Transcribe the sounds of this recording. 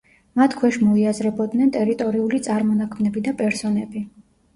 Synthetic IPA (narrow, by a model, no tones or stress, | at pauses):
mat̪ʰkʰwɛʃmɔiazɾɛbɔd̪nɛnt̪ʼɛɾit̪ʼɔɾiulit̪sʼaɾmɔnakʰmnɛbid̪apʼɛɾsɔnɛbi